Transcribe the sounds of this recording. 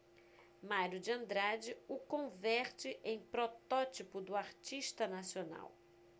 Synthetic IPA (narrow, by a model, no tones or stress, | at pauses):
maɾjʊd͡ʒɪɐ̃nd̪ɾad͡ʒɪʊkõvɛɾt͡ʃɪʔẽj̃pɾɔt̪ɔt͡ʃipʊd̪ʊaɾt͡ʃiʃt̪ɐnasiona̰w